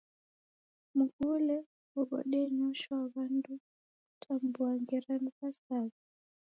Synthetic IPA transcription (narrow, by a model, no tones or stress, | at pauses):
m̩ɡulɛ | ɔβɔ̰ɗɛɲɔʃɔaɣandu | tʰambuaŋɡɛɾanukasaβi